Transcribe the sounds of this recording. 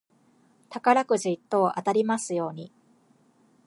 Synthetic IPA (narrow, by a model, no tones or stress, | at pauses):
t̪akaɾakɯ̟ʑiit̪ːo̞ːʔat̪aɾʲimasɨjo̞ːɲ̟i